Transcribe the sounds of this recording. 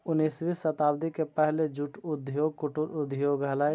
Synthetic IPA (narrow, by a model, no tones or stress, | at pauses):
ʊnːiːsʋisɐt̪aːbd̪ikepɛɦled͡ʒuʈʊd̪ʱjokʊʈʊɾʊd̪ʱijoɡalaːj